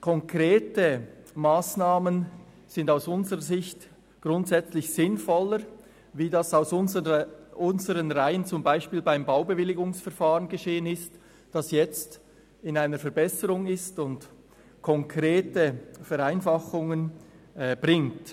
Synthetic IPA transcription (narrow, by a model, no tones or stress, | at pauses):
kʰɔŋkʁ̥eːtəmaːsnaːmən | z̥ɪndaʊsʊnzəʁəzɪçt | ɡ̥ʁʊntz̥ɛt͡slɪçz̥ɪnfɔləɾ | viːdɑsaʊsʊnʔʊnzəɾənʁaɪənt͡sʊmbaɪʃpiːlbaɪmbaʊbəvɪlɪɡʊŋsfɛɐfaːʁənɡəʃeːənɪst | d̥ɑsjɛt͡st | ɪnaɪnəɾfɛɐɾbɛsəɾʊŋɪstʊnt | kʰɔŋkʁeːtəfɛɾaɪnfɑχʊŋən | b̥ʁɪŋt